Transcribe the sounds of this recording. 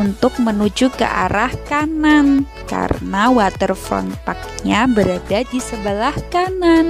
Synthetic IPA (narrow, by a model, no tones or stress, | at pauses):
unt̪ʊk̚mənud͡ʒukə̰ʔa̰ɾahkanan | ka̰ɾə̰nawat̪ərfɔ̰np̪ak̚ɲabəɾadadisəbəlahkanan